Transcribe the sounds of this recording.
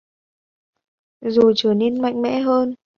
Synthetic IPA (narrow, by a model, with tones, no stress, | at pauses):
zo˨˩t͡ɕəː˧˩ne˧nma̰˧˨jŋ̟mɛ̰˧˥ɦəː˧n